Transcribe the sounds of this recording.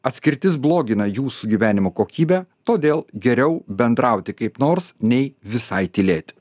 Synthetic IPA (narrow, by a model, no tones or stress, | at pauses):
ɐt̪ʲsʲkʲɪɾʲt̪ʲɪsblˠoːɡʲɪnɐjuːsuɡʲiːʋʲæːnʲɪmoːkoːkʲiːbʲɛːt̪oːd̪ʲeːlˠɡʲɛɾʲɛʊbʲɛnd̪ɾɐˑʊt̪ʲɪkɐɪpnoːɾsnʲɛɪʋʲɪsɐɪt̪ʲɪlʲeːt̪ʲ